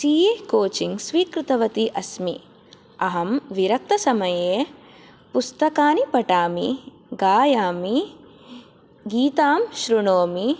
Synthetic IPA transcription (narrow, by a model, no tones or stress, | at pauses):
siːjekoːt͡ʃiŋɡsʋiːkɾɪt̪ɐʋɐt̪iʔɐsmi | ɐɦɐmʋiɾɐk̚t̪ɐsɐmɐjeː | pust̪ɐkaːnipɐʈaːmḭ | ɡaːjaːmi | ɡiːt̪aːmʃɾuɳoːmi